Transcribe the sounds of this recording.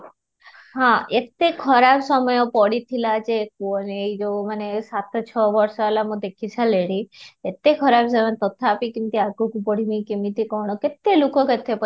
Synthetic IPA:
ɦãʔet̪ekʰɔɾabsɔmɔjopɔɽit̪ʰilad͡ʒeːk̚uəneid͡ʒomanesat̪ʰt͡ʃʰɔʋɔɾsɔelamũd̪ekʰisʰaleɽiet̪ːekʰɔɾabsɔmajt̪ɔt̪ʰːaːpikimt̪iaɡokupɔɽ̤imĩkemit̪ikɔɳ̃oket̪ːelokoket̪ʰepə

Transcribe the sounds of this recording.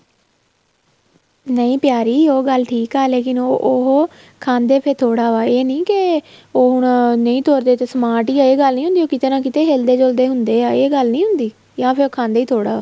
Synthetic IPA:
nəĩːpjaːɾiːoːɡəlʈʰiːkɦaːleːkɪnoʔɦoː | kʰãːnd̪eːpʰɪɾt̪ʰoːɽaːʋaːeːnĩːkɪoːɦʊɳnəĩːt̪ʰoːɾd̪eːt̪eːsəmaːʈiːaːeːɡəlnĩːɦʊ̃nd̪iːoːkɪt̪eɾãːkɪt̪eːɦeːld̪eːd͡ʒold̪eːɦʊnd̪eːaːeːɡəlnĩːɦʊnd̪iː | jãːpʰɪɾoːkʰãːnd̪eːiːt̪ʰoːɽaːaː

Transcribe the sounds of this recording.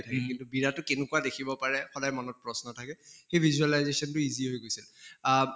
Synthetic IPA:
tʰakɛintʊbiɹatʊkenʊkuwadekʰibɔpaɹɛxɔdajmɔnɔt̚pɹɔsnɔtʰakɛxejbʱizualajzesɔntʊiziɦojɡojsil

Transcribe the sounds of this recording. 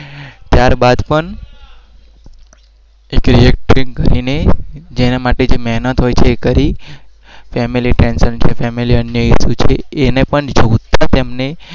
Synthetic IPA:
t̪jaɾbad̪pəɳ | ekɾiek̚ʈɾikəɾined͡ʒenemaʈed͡ʒemɛɦnət̪ɦojt͡ʃʰeːkəɾi | fɛmiliʈɾɛnsənt͡ʃʰefɛmiliənjəɦiʃut͡ʃʰeːnepəɳd͡ʒoʋt̪at̪emne

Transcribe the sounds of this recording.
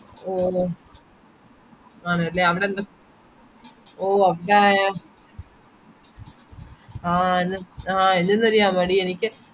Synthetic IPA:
oː | aːɳɨɐlːeːɐʋiɽeːnd̪ɐ | oːɐʋiɽajaː | aːenːɨãːenːenːɐɾijaːmɐɽienikʲːɨ

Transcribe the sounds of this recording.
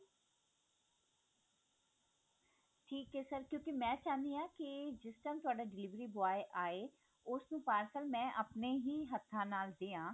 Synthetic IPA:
ʈʰiːkeːsəɾkjõːkimɛ̃ːt͡ʃaːnd̪iãːkɪd͡ʒɪsʈənt̪ʊaːɖaːɖɪliːʋɾiːbʊaːeʔaːeː | ʊsnũːpaːɾsəlmɛ̃ːʔəpneːɦiːɦət̪ʰːãːnaːld̪eːãː

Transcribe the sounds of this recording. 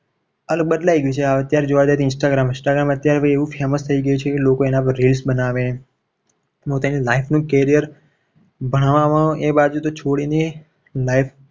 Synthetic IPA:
ələɡ̚bəd̪laiɡəjũt͡ʃʰeaət̪jaɾed͡ʒoʋad͡ʒat̪ʰiɪ̃nsʈaɡɾamɪ̃nsʈaɡɾamət̪jaɾʋeeʋũfeməst̪ʰəiɡəjũt͡ʃʰekelokoenapə̃ɾɾelsbənaʋene | mot̪anilaifʰnũkeɾijəɾ | bʱəɽ̃aʋaʋaʔebad͡ʒut̪ot͡ʃʰoɽine | laif

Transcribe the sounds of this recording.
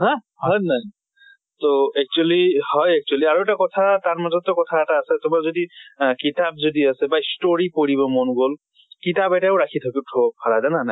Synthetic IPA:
hã | hɔjnaj | toɛk̚t͡ʃualihɔjɛk̚t͡ʃualiaɹuɛtakɔtʰataɹmazɔt̚ːɔkɔtʰaɛtaːsɛtʊmaɹzodikitab̚zodiasɛbaistoɹipoɹibɔmɔnɡol | kitabɛtaʊɹakʰitʰakitʰɔpʰaɹazananaj

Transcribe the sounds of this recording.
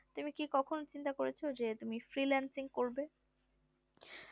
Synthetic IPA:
t̪umikikɔkʰont͡ɕint̪akoɾet͡ɕʰod͡ʑet̪umifɾilɛnsiŋkoɾbe

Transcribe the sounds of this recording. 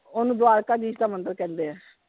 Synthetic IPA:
oːnũːd̪ʊaːɾkaːd͡ʒiːd͡ʒd̪aːmənd̪əɾkɛ̃ːnd̪eːɛ̃ː

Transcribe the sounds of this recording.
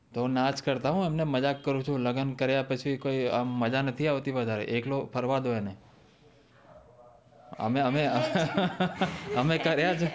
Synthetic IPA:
t̪onat͡ʃkəɾt̪aɦũemneməd͡ʒakːəɾũt͡ʃʰũləɡənkəɾjapət͡ʃʰikoiaːəd͡ʒanət̪ʰiaʋt̪iʋəd̪ʱaɾeʔeklopʰəɾʋad̪ʱoene | ə̰meəmeə | əmekəɾjat͡ʃʰe

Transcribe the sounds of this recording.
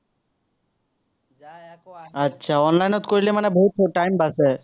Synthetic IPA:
ətːɕʰaɔnlajnot̪koɾilemanebʱot̪ʰoʈajmbase

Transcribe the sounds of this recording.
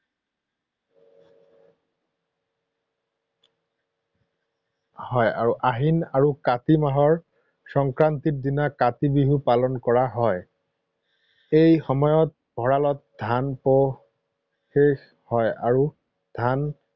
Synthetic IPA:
hɔja̰ɹuʔaɦinaɹukatimaɦɔɹ | sɔŋkɹantit̚dinakatibiɦupalɔnkɔɹaɦɔj | ejxɔmɔjɔt̚ | b̥ʱɔɹalɔt̚dʱanpɔ | xex | hɔja̰ɹu | d̥ʱan

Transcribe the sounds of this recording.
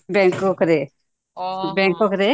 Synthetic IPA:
bɛ̃ŋkokɾe | bɛ̃ŋkokɾe

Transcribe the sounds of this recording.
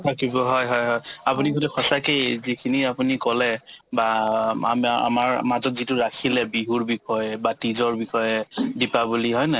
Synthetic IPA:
tʰakibɔɦɔjɦɔjɦɔjapuniɡotɛxɔsakejzikʰiniapunikɔlɛbaa̰ma̰maɹmazɔtzitʊɹakʰilɛbiɦuɹbikʰɔjɛbatizɔɹbikɔjɛdipabuliɦɔjnɛ

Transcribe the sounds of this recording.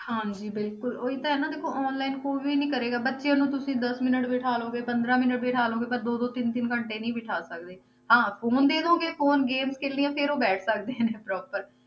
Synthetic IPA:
hãːd͡ʒiːbɪlkʊloːiːt̪ãːɛːnãːd̪eːkʰoːʔɔːnlaːɪnkoːiːʋiːnĩːkəɾeːɡaːbətːʃejãːnũːt̪ʊsĩːd̪əsmɪnəʈʋɪʈʰaːlõːɡeːpənd̪ɾãːmɪnəʈbiʈʰaːlõːɡeːpəɾd̪oːd̪oːt̪ɪnt̪ɪnkəɳʈeːnĩːbɪʈʰaːsək̚d̪eː | hãːpʰoːnd̪eːd̪õːɡeːfʰoːnɡeːmskeːliːãːpʰɪɾoːbɛːʈʰsək̚d̪eːnẽːpɾɔːpəɾ

